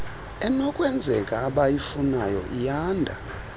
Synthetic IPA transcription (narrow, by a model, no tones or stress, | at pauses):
ɛnɔkʼwɛnd͡zʱɛkʼaːɓajifunajɔ̰ʔijaːndʱa̰